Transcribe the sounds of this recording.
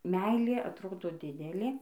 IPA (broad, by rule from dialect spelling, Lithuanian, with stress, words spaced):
ˈmʲɛɪlʲeː ɐtˈroːdoː ˈdʲɪdʲɛlʲeː